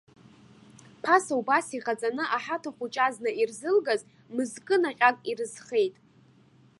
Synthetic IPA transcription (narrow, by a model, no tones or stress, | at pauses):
pʰasaubasiʁat͡sʼanɨʔaħatʰaχʷut͡ʃʼaznɨirzɨlɡaz | mɨzkʼɨnaqʲʼakʼirɨz̥χe̞jtʼ